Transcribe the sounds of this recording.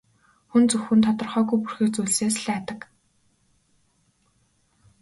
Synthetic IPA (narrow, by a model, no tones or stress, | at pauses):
xunt͡sɵxxɘ̆nt̪ʰɔt̪ɞ̆rχœːɣujpurxĭːkt͡sujɮseːsɮæːt̪ə̆k